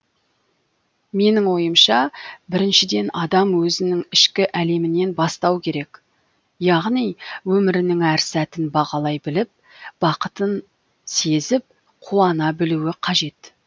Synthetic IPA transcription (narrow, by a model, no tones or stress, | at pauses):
me̞nɪŋwo̞jəmʃɑbɪɾɪnʃɪd̪e̞nɑd̪ɑmwɵzɪnɪŋɪʃkʲɪʔæle̞mɪne̞nbɑst̪ɑwkʲʰe̞ɾe̞k | jɑʁnijwɵmɪɾɪnɪŋæɾsæt̪ɪnbɑʁɑlˠɑjbɪlɪp̚ | b̥ɑqət̪ən | se̞zɪp̚ | qʰuɑnɑbɪluwɪqʰɑʒe̞t̪